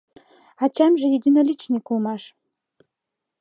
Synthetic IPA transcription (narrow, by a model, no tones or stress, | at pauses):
ɑt͡ɕæmʒɘ̆jid̪ʲinolʲit͡ɕnʲikulˠmɑʃ